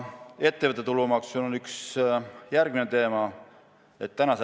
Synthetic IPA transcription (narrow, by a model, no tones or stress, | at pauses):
e̞t̪ːevət̪ːˑet̪ulumɑksmunonyksjærɡ̥minet̪e̞ːmɑ | e̞t̪ːænɑs